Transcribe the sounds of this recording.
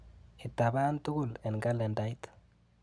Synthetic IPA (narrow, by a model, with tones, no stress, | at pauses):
ɪ˨t̪ːa˨ba˦nt̪ʊ˦ɡʊ˦lɛ˨nɡa˦lɛ˨nda˦jt̪